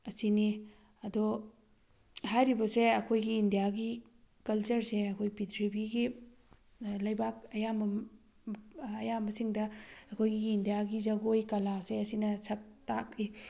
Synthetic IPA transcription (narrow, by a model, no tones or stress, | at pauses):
ɐsini | ɐdo | hajɾibɐseɐkʰojɡiːndijaɡi | kɐlt͡ʃɐɾseɐkʰojpitʰɾibiɡi | lɐjbak̚ɐjambɐ | ɐjambɐsiŋdɐɐkʰojɡiːndijaɡid͡ʒɐɡojkɐlaseɐsinɐsʰɐk̚tak̚i